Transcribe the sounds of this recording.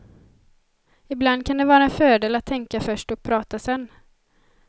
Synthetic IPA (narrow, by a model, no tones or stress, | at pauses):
ɪbland̪̚kʰand̪ɛvɑːɾaɛnfœːɖeːlat̪ʰːɛŋkafœʂʈɔk̚pʰɾɑːt̪asɛnː